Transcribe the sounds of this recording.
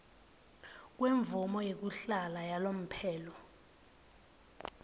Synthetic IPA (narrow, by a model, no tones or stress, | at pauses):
k̬weɱvumɔjek̬uɬalajalom̩pʰɛːlɔ